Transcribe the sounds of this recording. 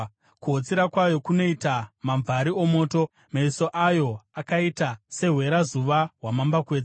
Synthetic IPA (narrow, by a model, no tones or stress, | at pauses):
kuɦot͡siɾakwajo̞kuno̞itamaɱvaɾio̞mo̞ːto̞ | maiso̞ʔajo̞akaitase̞ɦwe̞ɾazuʋaɦwamambakwe̞ːd͡ze